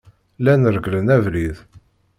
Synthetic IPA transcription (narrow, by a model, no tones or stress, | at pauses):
lænəɾɡlənævlið